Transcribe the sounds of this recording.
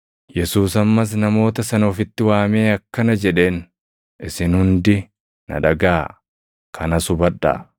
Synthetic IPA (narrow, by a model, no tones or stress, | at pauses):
jɛsuːsɐmːɐs̬nɐmo̞ːt̪ɐsɐnɔfɪt̪ːɪwaːme̞ːɐkːɐnɐd͡ʒɛᶑe̞ːn | ɪsɪnhʊnd̪ɪ | nɐ̰ᶑɐɡaː | kʰɐnɐsʊbɐᶑɐ̰